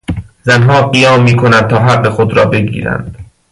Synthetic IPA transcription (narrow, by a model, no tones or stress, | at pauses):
zænɦɒːɢijɒːmːiːkʰonænd̪̚t̪ʰɒːɦæɢːexod̪ɾɒːbe̞ɡḭːɾæ̰nd̪̥